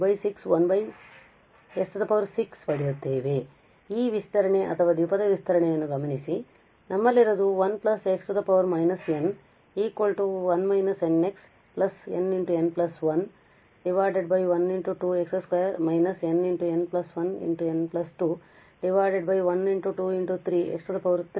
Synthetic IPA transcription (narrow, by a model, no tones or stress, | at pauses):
bɐjsiksʋɐnbɐj | eksʈ̪ɐd̪ɐpɐʋɐɾsikspɐɽijut̪ːe̞ːʋe̞ | iːʋist̪ɐɾɐɳe̞ʔɐ̰t̪ʰɐʋɐd̪ipɐd̪ɐʋist̪ɐɾɐɳejɐnːuɡɐmɐnisi | nʔɐmːɐlːiɾɐd̪uʋɐnplɐseksʈud̪ɐpɐʋɐɾmɐjnɐsen | iːkʋɐlʈuʋɐnmɐjnɐseneks | plɐsḛniɳʈuenplɐsʋɐn | ɖiʋaːjɖeɖ̚bɐjʋɐniɳʈuʈuːeksɐskɐjɐɾmɐjnɐseniɳʈuenplɐsʋɐnḭɳʈuenplɐsʈuː | ɖiʋaːjɖeɖbɐjʋɐniɳʈuʈuːiɳʈut̪ʰɾiːḛksʈɐd̪ɐpɐʋɐɾt̪